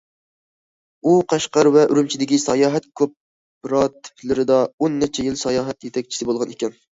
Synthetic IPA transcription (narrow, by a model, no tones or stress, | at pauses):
uqʰɑʃqɑɾvɛʔyɾymt͡ʃʰid̪ɪkʲisɑjɑːɦɛt̪̚kʲʰop̚ | ɾɑt̪ʰɪ̥plɪɾɪd̪ɑonːɛt͡ʃʰɛjilsɑjɑːɦɛt̪jet̪ʰɛkʲt͡ʃʰi̥sɪbolˠʁɑnekʲɛn